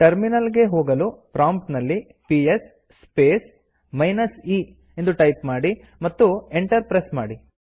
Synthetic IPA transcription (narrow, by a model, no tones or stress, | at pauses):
ʈɐɾminɐlɡe̞ɦoːɡɐlupɾaːmpʈnɐlːi | piesː | peːs | mɐjnɐsiː | end̪uʈɐjpmaːɽi | mɐt̪ːueɳʈɐɾpɾesmaːɽi